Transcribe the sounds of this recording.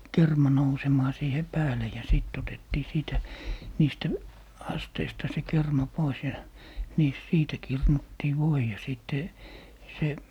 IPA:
kermɑ nousemɑː siːhe pæːle jɑ siˑt otetːiː siːtæ niːstæ ɑsteistɑ se kermɑ pois jɑ niːs siːtæ kirnutːiː ʋoi jɑ siˑtːe se

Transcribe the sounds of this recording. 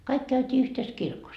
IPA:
kɑik kæytʲiː yhtes kirkos

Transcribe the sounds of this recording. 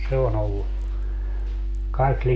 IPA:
se on olːu kɑik

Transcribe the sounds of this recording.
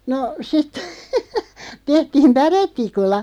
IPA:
no sit tehtiːm pæretˑikulːɑ

